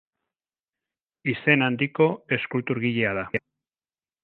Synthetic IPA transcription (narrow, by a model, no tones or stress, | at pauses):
ise̞nand̪iko̞e̞skult̪uɾɣiʎeaða